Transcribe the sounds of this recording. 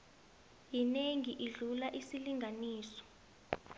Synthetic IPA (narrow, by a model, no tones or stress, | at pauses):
jineŋiʔiɮulaʔisiliŋɡʱaniːsɔ̥